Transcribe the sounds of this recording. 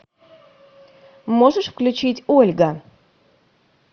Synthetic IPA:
moʐəʂfklʲʉt͡ɕitʲolʲɡə

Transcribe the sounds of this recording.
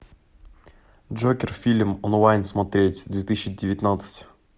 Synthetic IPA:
dʐokʲɪrfʲilʲmɔnɔvajnʲsmɐt̪ɾʲetʲd̪vʲet̪ɨsʲt͡ʃɪdʲɪvʲɪt̪ʲnat̪sɨ̥tʲ

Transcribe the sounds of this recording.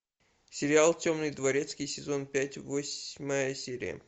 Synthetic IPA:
sʲɪɾʲɪalˠtʲomnɨjd̪vɐɾʲe̞t̪skʲɪjsʲɪzo̞npʲætʲvosʲməjəsʲeɾʲɪ̰jə̰

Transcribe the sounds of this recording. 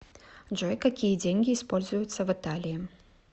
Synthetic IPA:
ʐɔjkakʲijɐd͡zʲenʲɡʲiːspɔlʲzʊjʊt̪sːɐvɨt̪alʲiji

